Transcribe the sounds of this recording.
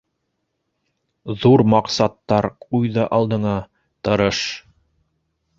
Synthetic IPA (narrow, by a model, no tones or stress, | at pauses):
ðuɾmɑqsɑt̪ːɑɾqujðɑʔɑlˠd̪ɤ̆ɴɑ | t̪ɤ̆ɾɤʃ